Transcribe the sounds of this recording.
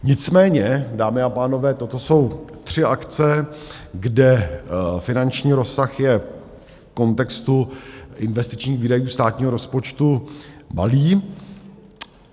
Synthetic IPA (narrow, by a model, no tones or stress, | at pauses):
ɲɪt͡smɛːɲɛdaːmɪapaːno̞vɛːt̪o̞t̪oso̞wt̪r̝̥ɪakt͡sɛɡdɛfɪnant͡ʃɲiːɾo̞sːaxjɛ | f | ko̞nt̪ɛkst̪uʔɪnvɛst̪ɪ̥t͡ʃɲiːxviːdajuːst̪aːt̪ɲiːɦoɾo̞spo̞t͡ʃt̪uma̰liː